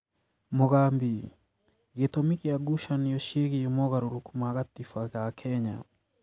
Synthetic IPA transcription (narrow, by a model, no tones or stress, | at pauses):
moɣambi | ɣetomikeaɡuʃaniɔʃieɣeemɔɣaɾuɾukumaɣat̪ifaɣakʰɛɲa̰